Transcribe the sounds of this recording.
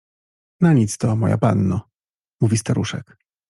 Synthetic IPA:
naɲit̪st̪ɔmɔ̰ja̰panːɔ | muvʲist̪aɾʔuʂɛ̰k

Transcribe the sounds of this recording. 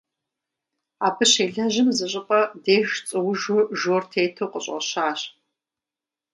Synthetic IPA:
aːpʰɨɕeːɮɐʑɪmzɨɕʼɪpʼɐdeːʃt͡sʼɨwʒʊʒoːrtʰeːtʰowqʼəɕʼɐ̰ɕaːɕ

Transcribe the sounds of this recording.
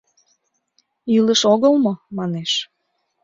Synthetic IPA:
yləʃoɣəlmomɑneʃ

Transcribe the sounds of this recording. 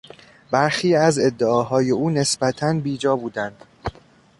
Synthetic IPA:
bæɾxiːæze̞d̪ːeɒːɦɒːje̞uːne̞sbæt̪ʰænbiːd͡ʒɒːbuːd̪ænd̪̥

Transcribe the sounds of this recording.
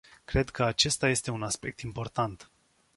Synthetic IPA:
kɾe̞d̪kʰəat͡ʃe̞st̪aje̞st̪e̞unaspe̞k̚t̪impo̞rt̪ant̪

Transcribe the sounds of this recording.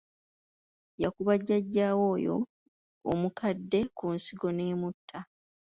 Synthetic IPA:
jakuβaɟːaɟːaːwo̞ːjo̞̰ | o̰mukadːe̞kunsiɡo̞ne̞ːmutʰːa

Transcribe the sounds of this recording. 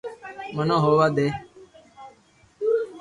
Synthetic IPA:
mənõːɦoːʋaːd̪eː

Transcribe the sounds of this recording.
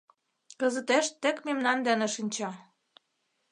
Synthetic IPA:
kɤ̆zə̆t̪eʃt̪ːĕkmemnɑnd̪ænĕʃinʲt͡ɕɑ

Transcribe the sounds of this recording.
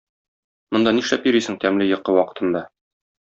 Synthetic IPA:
mŏnd̪ɑniʃlæpjɵ̆ɾisɘŋt̪æmlɘjɤ̆qːɤwɒqɤ̥̆t̪ʰɤ̆nd̪ɑ

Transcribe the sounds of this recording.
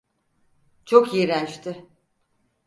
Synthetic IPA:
t͡ʃʰokiɾænt͡ʃt̪ʰɪ

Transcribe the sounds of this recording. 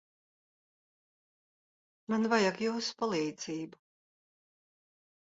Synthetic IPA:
manvajakjuwspalˠiːd̪ziːbu

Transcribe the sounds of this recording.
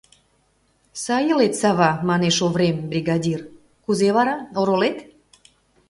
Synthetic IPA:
sɑjəlet̪sɑβɑmɑneʃovɾembrʲiɣɑdʲir | kuzeβɑɾɑoɾolet̪

